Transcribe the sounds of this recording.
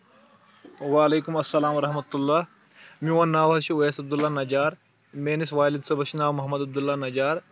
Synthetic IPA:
waːleːkumɐsːɐlaːmwɐɾɐɦmɐt̪ulːaː | miwaːnːaːwɦɐt͡ʃʰiweːsɐbd̪ulːaːnɐd͡ʒaːɾ | meːnisʋaːlid̪sɐbɐʃinaːwmɐɦmɐd̪ɐb̚d̪ulːaːnɐd͡ʒaːɾ

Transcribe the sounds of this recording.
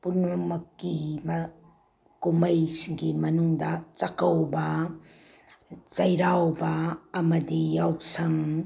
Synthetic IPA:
punɐmɐkːimɐ | kumɐjsɡimɐnuŋdɐt͡ʃɐkɐwbɐ | t͡ʃɐjɾawbɐːmɐdijawsɐŋ

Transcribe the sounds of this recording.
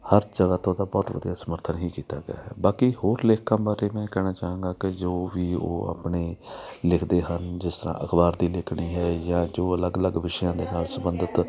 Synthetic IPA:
həɾd͡ʒəɡaːt̪õːd̪aːbɔːt̪ʋə̰d̪ijaːsəməɾt̪ʰənɦiːkiːt̪a̰ːɡɪ̰ja̰ːɦɛ̰ːbaːkihoːɾlɪkʰːãːbaːɾeːmɛ̃ːkɛːnaːt͡ʃaːɦãːɡaːkɪd͡ʒoːʋiːo̰ːa̰ːpɳeːlɪkʰd̪eːɦənd͡ʒɪst̪əɾã̰ːʔəkʰbaːɾd̪iːlɪkʰɳiːɦɛːjãːd͡ʒoːələɡələɡʋɪʃjãːd̪eːnaːlsəbənd̪ət̪

